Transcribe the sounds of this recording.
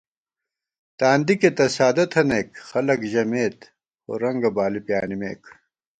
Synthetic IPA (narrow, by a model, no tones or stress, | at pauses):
t̪aːnd̪iket̪ɐsaːd̪ɐt̪ʰɐnekxɐlɐkʑɐmeːt̪ | o̰ːɾɐŋɡɐbaːlipjaːnimḛːk